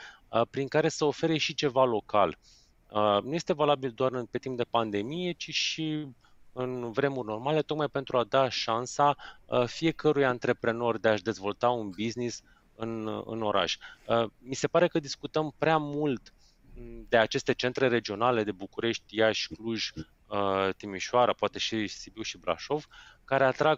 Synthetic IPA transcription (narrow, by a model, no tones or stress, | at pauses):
əpɾiŋkaɾe̞səofe̞ɾe̞ʃit͡ʃe̞valo̞ka̰l | ənuje̞st̪e̞valabild̪oaɾɨnpe̞t̪imp̚d̪e̞pand̪e̞mije̞t͡ʃiʃi | ɨnvɾe̞murʲno̞rmale̞t̪o̞kmajpe̞nt̪ɾuad̪aʃansafie̞kəɾujant̪ɾe̞pɾe̞no̞rʲd̪e̞aʃd̪e̞zvo̞lt̪aunbiznis | ɨ̰nɨ̰no̞ɾʔa̰ʃəmise̞paɾe̞kəd̪iskut̪əmpɾeamult̪ | d̪e̞at͡ʃe̞st̪e̞t͡ʃent̪ɾe̞ɾe̞d͡ʒio̞nale̞d̪e̞bukuɾe̞ʃt̪ʲjaʃʲkluʒ | ət̪imiʃoaɾapoat̪e̞ʃisibiwʃibɾa̰ʃo̞v̥kaɾe̞at̪ɾaɡ